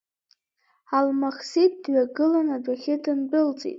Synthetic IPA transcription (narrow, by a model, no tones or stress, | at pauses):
almaχsit̚dɥaɡɨlanab͡ʐaχʲɪdɨnbɨlt͡sʼḭtʼ